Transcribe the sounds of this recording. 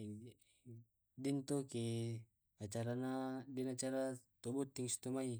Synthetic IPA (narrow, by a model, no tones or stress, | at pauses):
dint̪oki | at͡ʃaɾanadinat͡ʃaɾat̪ɔbut̪ːiŋst̪umai